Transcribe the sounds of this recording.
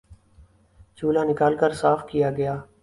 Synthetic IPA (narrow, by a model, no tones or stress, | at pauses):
t͡ʃuːlaːnɪkaːlkəɾsaːfkijaːɡɐjaː